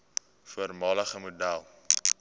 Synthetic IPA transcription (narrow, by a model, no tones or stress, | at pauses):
fuərmɑːləχəmudælˠ